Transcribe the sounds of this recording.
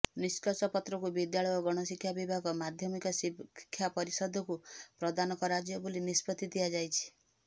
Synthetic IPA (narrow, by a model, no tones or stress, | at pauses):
niskɔsɔpɔt̪ɾɔkubid̪jaɭɔjɔɡɔɽ̃ɔsikʰːjabibʱaɡɔmad̪ʱjɔmikɔsikkʰːjapɔɾisɔd̪ʱɔkupɾɔd̪anɔkɔɾad͡ʒjɔbulinispɔt̪id̪iad͡ʒajt͡ʃʰi̥